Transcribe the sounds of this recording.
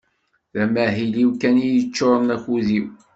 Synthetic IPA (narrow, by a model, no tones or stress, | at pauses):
ðæmæɦiliwkænijət͡ʃːoɾˤənæçuðiw